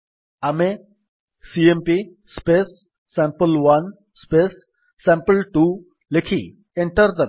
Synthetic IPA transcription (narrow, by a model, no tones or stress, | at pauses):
ame | siempi | spesː | ɛ̃mpəlʋɐn | spesː | ɛ̃mpəlʈu | lekʰḭ | eɳʈəɾd̪ə